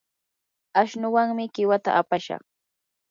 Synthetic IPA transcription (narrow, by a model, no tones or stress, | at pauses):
aʃnʊwaŋmɪɢɪwat̪a̰ʔapaʃɑ̰χ